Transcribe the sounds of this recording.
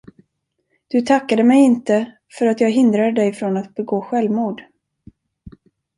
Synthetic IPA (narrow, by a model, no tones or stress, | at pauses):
d̪̥ɵt̪ʰakːad̪əmɛjɪnt̪ə | fœɾat̪jɑːɡɦɪnd̪ɾad̪əd̪ɛjfɾonat̪̚bɛɡoːɧɛlvmuːɖ